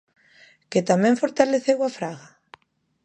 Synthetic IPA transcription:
ket̪amɛ̃ɱfoɾt̪aleθewafɾaɣa

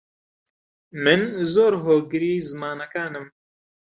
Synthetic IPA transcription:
mɨnzoːɾɦoːɡɨɾiːzɨmaːnakaːnɨm

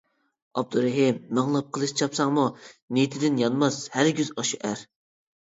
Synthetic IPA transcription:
ɑ̰b̚d̪uɾɛɦimːɨŋlˠɑp̚qʰəlˠɨʃt͡ʃʰɑpsɑŋmunet̪ʰɪd̪ɪnjɑnmɑshæɾɡʲyzɑʃuʔæɾ

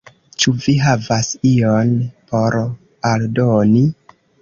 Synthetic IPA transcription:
t͡ʃuviɦavasionpo̞ɾ | aldoni

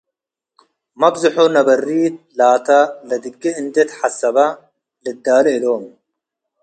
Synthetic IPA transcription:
mɐbzɐħonɐbɐrːiːt̪̚laːt̪ɐlɐd̪ɨɡːiɨnt̪et̪ħasːɐbɐ | lɨd̪ːaːlɐɪloːm

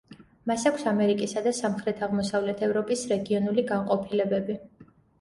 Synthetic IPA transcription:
masakʷʰsamɛɾikʼisad̪asamχɾɛt̪ʰaʁmɔsavlɛt̪ʰɛvɾɔpʼisɾɛɡiɔnuliɡaŋqʼɔpʰilɛbɛbi

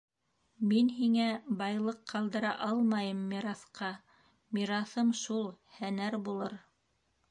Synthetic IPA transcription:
minɦiŋæbɑjlˠɤqːɑlˠd̪ɤ̆ɾɑʔɑlˠmɑjɤmːiɾɑθqɑ | miɾɑθɤmʃulˠhænæɾbulˠɤɾ

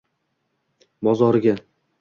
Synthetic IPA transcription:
bɒzɒɾɡʲa

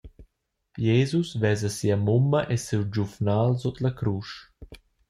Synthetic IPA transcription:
jeːzusvɛːzɐsiamumːɐʔesewd͡ʒufnaːlzɔt̪lɐkɾuːʃ

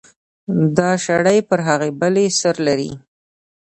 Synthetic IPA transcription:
d̪ɑʃaɽajpəɾɦaɣebəlesəɾlaɾḭ

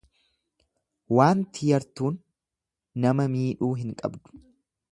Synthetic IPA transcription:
waːnt̪ʰɪjɐɾt̪uːnː | ɐmɐmiːᶑuːɦɪŋkʼɐ̰bd̪ʊ̥

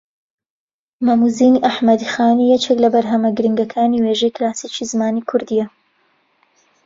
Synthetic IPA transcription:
mɐmuziːniʔaħmɐd̪ixaːnijɛt͡ʃʰeklɐbɐɾɦɐmɐɡɨɾɨŋɡɐkʰaːniweːʒɛjklaːsit͡ʃizɨmaːnikʰʊɾd̪ijɛ

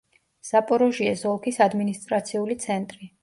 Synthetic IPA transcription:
z̥apʼɔɾɔʒiɛzɔlˠkʰisad̪minist̪ʼɾat̪sʰiulit̪sʰɛnt̪ʼɾi

